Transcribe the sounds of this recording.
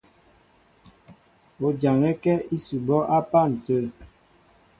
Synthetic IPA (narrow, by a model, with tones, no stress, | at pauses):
o˨d͡ʒa˨ŋɛ˦kɛ˦i˦su˨bɔ˦ʔa˦pa˦˨n̩˨tə˦˨